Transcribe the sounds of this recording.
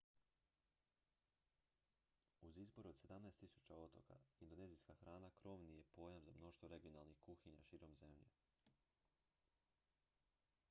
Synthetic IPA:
uzizbo̞ɾuo̞d̪se̞d̪amnaest̪isu̥t͡ɕao̞t̪o̞̰ka̰ind̪o̞ne̞ːzijskaxɾʔaːnakɾo̞ʋnije̞po̞jamzamno̞ʃt̪ʋo̞ɾe̞ɡijo̞nalˠnixkuxiɲa̰ʃiːɾo̞mze̞mʎḛ

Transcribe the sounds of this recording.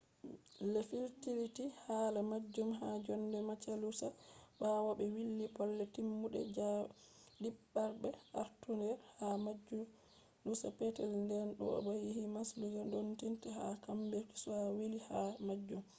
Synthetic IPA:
lefiltiɾitihaːlamad͡ʒːumɦad͡ʒɔnːdɛmat͡ʃalusabawabɛwilːipɔlːɛtimːuɗɛ̰d͡ʒa | dibːaɾbɛʔaɾtunɛɾhamad͡ʒu | lusapɛtɛlndɛnɗɔ̰ɔ̰bajihimasluɡandontintɛhakambeɾti̥suawilihamad͡ʒːum

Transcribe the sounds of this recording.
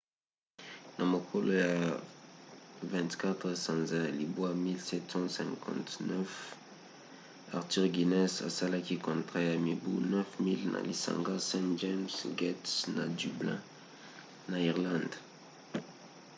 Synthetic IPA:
nãmokʰoloja | vɛ̃nt̪kat̪χəsɑ̃nzɛlibwamilsɛt̪sɑ̃sɛ̃kʰɑ̰̃t̪nœf | a̰ʁt̪iʁɡinɛsa̰salakikɔ̃t̪χajamibunœfmilna̰lisã̰ŋɡasɛ̃d͡ʒɛmsɡɛtsnadyblɛ̰̃ | naiʁlɑ̃nd̪

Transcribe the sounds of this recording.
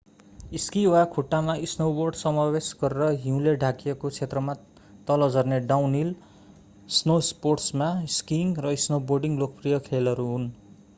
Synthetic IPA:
iskiwakʰuʈːamaisnowborɖsʌmabesɡʌɾeɾʌɦiũleɖʱakijekot͡sʰet̪rʌma | t̪ʌlʌd͡zʌrneɖawnil | snosporʈsmaiskiŋrʌisnoborɖiŋlokʌprijʌkʰelʌɾuɦun

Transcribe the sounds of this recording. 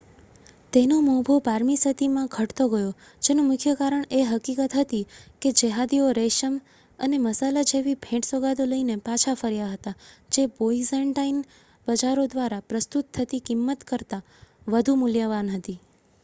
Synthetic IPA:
t̪enomobʱopaɾmisət̪imãɡʱəʈt̪oɡəjo | d͡ʒenomʊkʰjəkaɾəɳeɦəkikət̪ɦət̪iked͡ʒəɦad̪ioɾeʃəm | əneməsalad͡ʒeʋibʱɛ̃ʈsoɡad̪oləinepat͡ʃʰafəɾjaɦət̪ad͡ʒeboizəɳʈain | bəd͡ʒaɾod̪ʋaɾapɾəst̪ut̪ʰːət̪ikɪmːət̪kəɾt̪a | ʋəd̪ʱumʊljaʋanɦət̪i

